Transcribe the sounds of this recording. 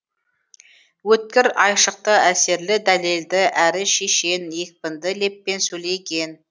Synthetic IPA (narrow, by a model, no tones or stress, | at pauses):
wɵt̪̚kʲɪɾɑjʃəq̚t̪əæse̞ɾlɪd̪æle̞ld̪ɪʔæɾɪʃe̞ʃe̞nje̞k̚ʲpɪnd̪ɪle̞pːe̞nsɵle̞jɡʲe̞n